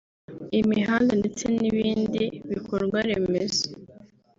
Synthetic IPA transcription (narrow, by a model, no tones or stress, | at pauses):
imiɦaːndondet͡seniβiːndiβikʰoɾɡwaɾemezo̥